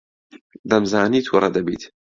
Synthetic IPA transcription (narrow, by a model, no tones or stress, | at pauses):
d̪ɐmzaːniːt̪ʰwʊɾˤɐd̪ɐbḭːt̪